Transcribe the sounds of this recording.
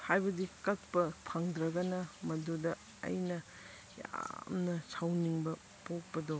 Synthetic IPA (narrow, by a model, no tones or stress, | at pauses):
hajbɐdikɐt̚pɐpʰaŋdɾɐɡɐnɐmɐdodɐ | ɐ̰jnɐ | ja̰mnɐsʰawniŋbɐ | pok̚pɐdo